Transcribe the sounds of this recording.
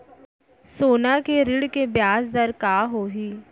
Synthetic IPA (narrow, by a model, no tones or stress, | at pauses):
soːnakeɾɪɽkebjaːsd̪ɐɾkaːɦoːɦiː